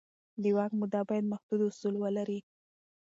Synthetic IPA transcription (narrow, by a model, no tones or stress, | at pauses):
liwɑkmud̪ɑbɑjad̪̚maxd̪̥ud̪ʊsulwəlaɾi